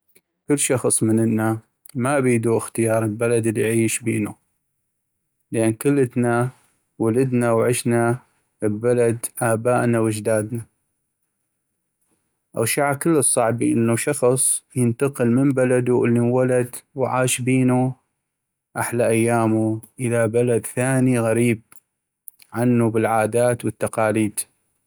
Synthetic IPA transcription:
kʊlːʃɑxsˤmənɪnːa | maʔbiːd̪uːʔɪxt̪ɪjɑːɾˤəlbalad̪ɪlːiʕiːʃbiːnu | lʔankʊlːət̪na | walad̪nawʕɪʃna | lbalad̪ʔaːbaːʔnawɪd͡ʒd̪aːd̪na | ʔa̰wʃaʕakɪlːɨsˤːɑʕbiʔɪnːuʃɑxsˤjɪnt̪ɑqɨlməmbalad̪uʔɪlːiwalad̪wʕaːʃbiːnu | ʔaħlaʔajːaːmuʔəðabalad̪θaːniɣaɾiːb̚ | ʕanːubɪlʕaːd̪aːt̪wət̪ːɑqɑːliːd̪

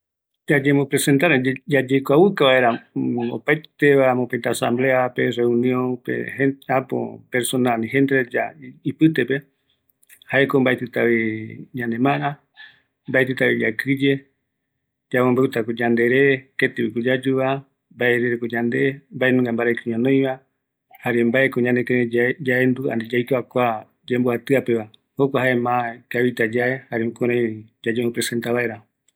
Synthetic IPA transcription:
d͡ʒad͡ʒemõpɾese̞nt̪aɾed͡ʒad͡ʒejkʷaβɨkaβaʔeɾao̰pajt̪eβamõpẽnt̪aasã̰mbleape̞reũnĩõnpḛheapo̰peɾsonalĩɦend̪eɾed͡ʒaipɨt̪epe | haekombaʔet̪ɨt̪aβiɲãnẽmãɾã | mbaet̪ɨt̪aβid͡ʒa̰kɨd͡ʒe̞ | d͡ʒamombewt̪akod͡ʒand̪e̞ɾeket̪eβikod͡ʒad͡ʒuβa | mbaeɾeɾekod͡ʒand̪embaenũŋɡambaɾajkuɲõnõj̃βa | haɾembaekoɲãnekeɾed͡ʒaend̪ua̰nd̪ed͡ʒajkoakʷa | d͡ʒemboat̪ɨape̞βa | hokʷahaemãkaβit̪ad͡ʒaehaɾeũkoɾãd͡ʒad͡ʒoopɾese̞nt̪aβaeɾa

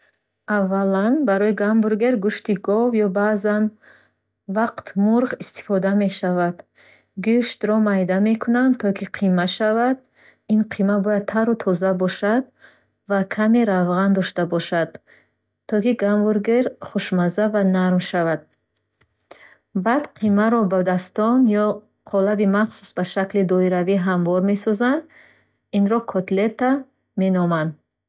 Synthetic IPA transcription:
avːalanbaɾɔiɡambuɾɡeɾɡuʃt̪iɡɔvjɔbazan | vaqt̪ʰmuɾʁist̪i̥fɔd̪ame̞ʃavad̪ | ɡuʃt̪ɾɔmajd̪ame̞kʰunant̪ʰɔkʰiqʰimaʃavad̪̚ | inqʰimabɔjad̪̚t̪ʰaɾut̪ʰɔzabɔʃad̪ | vakʰameɾavʁand̪ɔʃt̪abɔʃad̪̥ | t̪ʰːɔkiɡamvuɾɡeɾχuʃmazavanaɾmʃavad̪̥̚ | bad̪qʰimaɾɔbad̪ast̪ɔnjɔ | qʰɔlabimaχsu̥sbaʃaklid̪ɔiɾaviɦamvɔɾme̞sɔzand̪ | inɾɔkʰɔt̪let̪ːa | me̞nɔmand̪

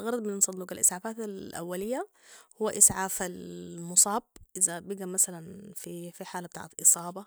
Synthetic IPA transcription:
ɣɑɾˤɑd̪ˤmɪnnsˤɑnd̪uːqalʔɪ̰sʕaːfaːt̪alʔa̰wːalɪjːa | hʊwːaʔɪsʕaːfalmʊsˤɑːb̚ʔɪzabiɡamasalanfifiħaːlabɪt̪a̰ːʕet̪ʔɨsˤɑːbɑ

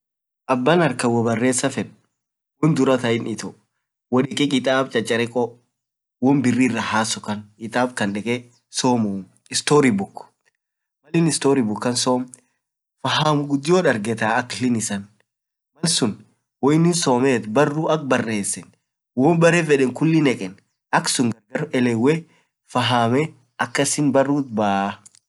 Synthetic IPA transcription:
ʔɐbːanɐɾkɐwɔbɐrːe̞ːsːɐfɛᶑ | wɔnd̪ʊɾɐt̪ɐɪnɪt̪ɔ | wɔᶑɪkʼɛkʼɪt̪ʼaːb̚t͡ʃʼɐt͡ʃʼːɐɾɛkʼɔ | wɔnbɪrːiːrːɐhaːsɔkɐnkʼɪt̪ʼaːbkɐnᶑɛkʼɛ | soːmʊm | ɪst̪oːɾibʊkːʊ̥ | mɐlɪnɪst̪oːɾibʊkːɐnsoːm | fɐɦaːmʊɡʊd̪ːɪjoːᶑɐɾɡɛt̪aːɐklɪnɪsɐn | mɐlsʊn | wɔɪnːɪnsoːmeːt̪bɐrːuʔɐk̚bɐrːe̞ːsːɛn | wɔːnbɐɾɛfɛᶑɛŋkʊlːɪnɛkʼɛn | ʔɐksʊŋɡɐɾɡɐɾɛlɛwːɛ | fɐɦaːmɛ | ɐkːɐsɪnbɐrːuːt̪baː

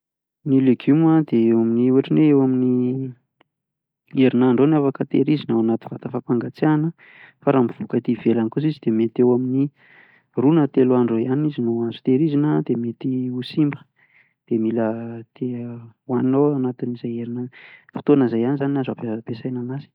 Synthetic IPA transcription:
nileɡumad̪eewaminiuaʈ͡ʂineewamini | eɾinaɳɖ͡ʐoniafakət̪eɾizinəanat̪i̥v̥at̪əfapaŋɡat͡sianə | faɾambiv̥ukat̪ivelankuzizid̪̥emet̪ewamini | runət̪eluaɳɖ͡ʐojanizinoazu̥t̪eɾizinəd̪emet̪iusimbə̥ | d̪̥emilət̪ʰewannowanat̪inizajeɾinəfi̥t̪onəzajanizanazapepesajnanazi̥

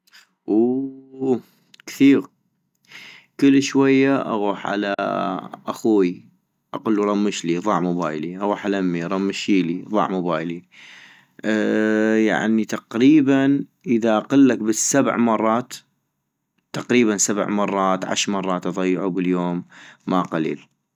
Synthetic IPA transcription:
ʔu | kθiːɣ | kəlːʃwajːaʔa̰ɣuːħʕa̰la̰ʔaxuːi | ʔaqʊlːuɾˤɑmːɪʃliðˤɑʕmʊba̰ːjliʔaɣuːħalamːiɾˤɑmːʃiːliðˤɑ̰ʕmʊbaːjli | ja̰ʕnit̪ɑqɾiːbanʔəðaʔaqɪlːakbɪsabʕmɑrˤːɑːt̪ | ɑqɾiːβansab̰ʕmɑrˤːɑːt̪ʕa̰ʃɾmɑrˤːɑːt̪ʔɑðˤɑjːʕubɪljoːmːaqalḭːl

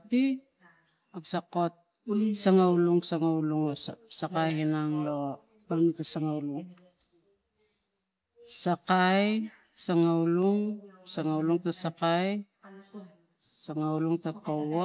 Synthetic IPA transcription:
ti | apsako̞t̚ | saŋawluŋsaŋawluŋosakajhinaŋlo | panutasaŋauluŋ | sakaj | saŋawluŋsaŋawluŋtasakaj | saŋawluŋtakoo

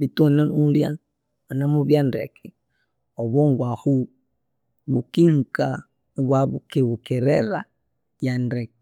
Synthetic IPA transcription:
βituanaulja̰ | anamuβjandɛ̰kʰɛ | ɔβɔŋɡwahu | βukiŋka | βwaβukɛβukɛɾɛɾa | jandɛk

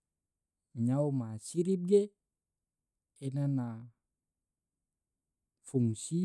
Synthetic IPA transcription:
ɲaumasiɾip̚ɡe | enana | fuŋsi

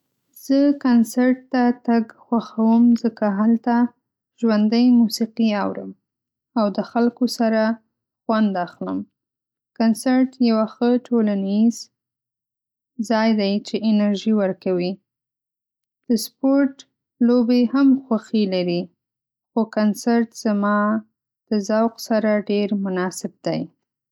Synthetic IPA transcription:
z̥əkansaɾʈ̚t̪at̪aɡxwaxawəmzəkaɦalt̪a | ʒwand̪əjmusiqiawɾə̰m | awd̪əxalkosaɾa | xwand̪axləm | kansaɾʈjawaxəʈʰolaniz̥ | zɑjd̪ajt͡ʃeɪnaɾʒiwəɾkawi | d̪̥əspoɾʈ | lobehamxwaxilaɾi | xokansaɾʈz̥amɑ | d̪̥əzawqsaɾaɖeɾmʊnɑsɪb̚d̪aj

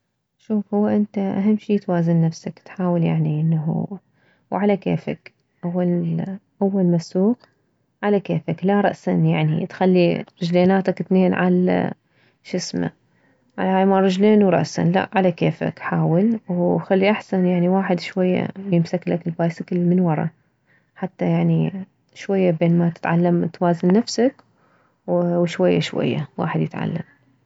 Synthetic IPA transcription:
ʃuːfhʊwːaʔɪnt̪aʔaɦamːʃiːt̪waːzanːafsakt̪ħaːwɪlja̰ʕniʔɪnːaɦṵ | wʕalakeːfa̰k | ʔawːalʔawːalmasuːq | ʕalakeːfaklaɾˤɑ̰ʔsanjaʕnḭt̪xalːiɾˤɪd͡ʒleːnaːt̪akt̪neːnʕa̰lːa̰ | ʃɪsma̰ | ʕalaːjmaɾˤɨd͡ʒleːnwɾˤɑ̰ʔsa̰nla̰ʔʕalakeːfa̰kħaːwɪlwxalːiʔaħsanjaʕniwaːħɪd̪ʃwajːa̰jɪmsaklakɪlbaːjsɪkɪlmɪnwɑɾˤɑ̰ | ħat̪ːajaʕni | ʃwajːabeːnmat̪ɪ̥t̪ʕalːamt̪waːzɪnːafsak | wwʃwajːaʃwa̰jːa̰wa̰ːħɪd̪jɪt̪ʕa̰lːa̰m

